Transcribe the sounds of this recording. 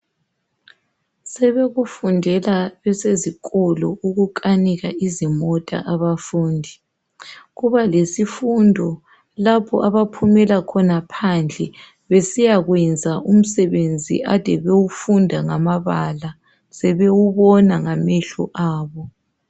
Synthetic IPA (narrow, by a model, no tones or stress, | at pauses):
sɛβeɣufundʱɛlaβɛsezikɔlɔuɣukʼaniɣaizimɔtʼa̰ʔaβafuːndʱi | ɣuβalesifundʱɔ | lapʰɔʔaβapʰumɛlakʰɔnapʰand͡ɮʱɛ | βesijaɣwɛnd͡zʱaʔum̩sɛβend͡zʱḭʔatɛβewufundʱaŋamaβala | sɛβewuβɔnaŋamɛɬɔ̰ʔaːβɔ